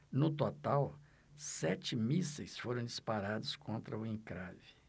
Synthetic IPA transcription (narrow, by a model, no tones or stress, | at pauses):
nʊt̪ot̪aw | sɛt͡ʃɪmisɐjsfoɾɐ̃d͡ʒispaɾad̪ʊskõnt̪ɾɐʊẽŋkɾavɪ